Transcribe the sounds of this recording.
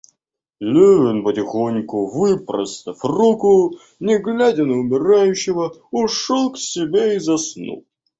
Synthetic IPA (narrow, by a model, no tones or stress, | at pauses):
lʲyvʲɪnpətʲɪxonʲkʊvɨpɾə̰st̪əfrukʊ | nʲɪɡlʲadʲɪnəʊmʲɪɾajʉɕːɪvəʊʂolˠksʲɪbʲeizɐsnṵlˠ